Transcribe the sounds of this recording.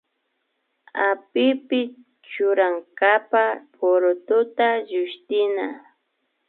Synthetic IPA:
apɪpɪ | t͡ʃʊɾaŋkapapʰoɾʊt̪ʊt̪aʎʊʃt̪ɪna

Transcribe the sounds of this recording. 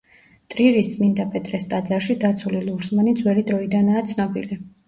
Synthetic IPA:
t̪ʼɾiɾist̪sʼmind̪apʼɛt̪ʼɾɛst̪ʼad̪zaɾʃid̪at̪sʰuliluɾsmanid̪zʼwɛɾid̪ɾɔid̪anaːt̪sʰnɔbḭli

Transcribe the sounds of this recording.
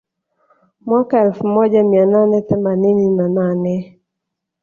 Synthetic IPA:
mwakaɛlfmɔd͡ʒamiananɛtɛmanɪninananɛ

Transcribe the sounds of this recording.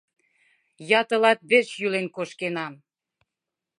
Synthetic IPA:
jɑt̪ɤ̆lɑt̪̚βeʃjylenkoʃkenɑm

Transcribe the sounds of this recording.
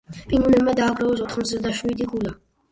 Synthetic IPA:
pʼiŋɡunɛbmad̪aːɡɾaɔs̬ɔt̪ʰχmɔt̪sd̪aʃwid̪iɡula

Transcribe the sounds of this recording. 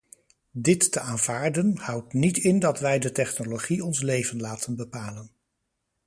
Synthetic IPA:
dɪtːəʔaːnv̥aːɹdənhʌwtnitɪndɑtʋɛjdətɛχnoloχiɔnslejvənlaːtʰənbəpaːlən

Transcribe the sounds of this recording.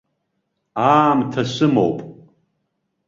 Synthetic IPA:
aːmtʰasʷɨmo̰wpʼ

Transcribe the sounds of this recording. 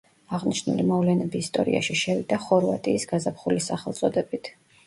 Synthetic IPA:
aʁniʃnṵlimɔvlɛnɛbiːst̪ʼɔ̰ɾḭa̰ʃiʃɛvid̪aχɔɾvat̪ʼiːsɡazapχulisaχɛlˠt̪sʼɔd̪ɛbit̪ʰ

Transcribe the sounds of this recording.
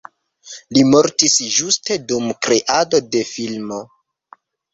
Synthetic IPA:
limo̞ɾtisʒuste̞dumkɾe̞ʔado̞de̞filmo̞

